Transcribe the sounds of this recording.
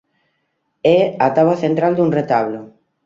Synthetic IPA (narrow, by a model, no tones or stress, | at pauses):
ɛat̪aβaθent̪ɾald̪uŋret̪aβlʊ